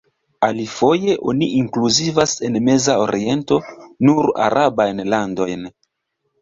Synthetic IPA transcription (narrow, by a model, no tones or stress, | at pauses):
alifo̞je̞ʔo̞̰niʔiŋkluzivase̞nme̞zao̞ɾie̞nto̞nuɾa̰ɾʔabajnlando̞jn